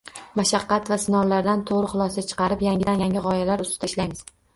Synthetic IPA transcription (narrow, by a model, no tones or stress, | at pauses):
maʃɑqːɑt̪vasɪnɒwlaɾd̪ant̪ʰoʁɾɪχʊlˠɒsat͡ʃʰɨ̥qɑɾɪpjaŋʲɪd̪anjaŋɡʲɪʁɒjalaɾʊst̪ɪ̥d̪aɪʃlajmɪz̥